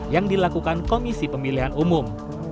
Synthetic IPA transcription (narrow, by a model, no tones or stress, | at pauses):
jaŋdilakukankomisipəmiliɦanumʊm